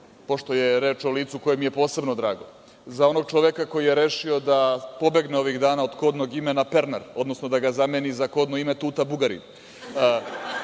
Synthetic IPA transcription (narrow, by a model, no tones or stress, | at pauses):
po̞ʃt̪o̞jeɾeːt͡ʃoliːt̪suko̞jemijepo̞ːse̞bnod̪ɾaːɡo̞̰ | zao̞no̞ɡ̚t͡ʃoʋekako̞jijeɾeːʃio̞d̪apo̞be̞ɡneo̞ʋiɣd̪aːnaod̪ko̞ːd̪no̞ɡimenapeɾnaɾo̞d̪no̞snod̪aɡazamenizako̞ːd̪noime̞t̪uːt̪abuɡaɾḭ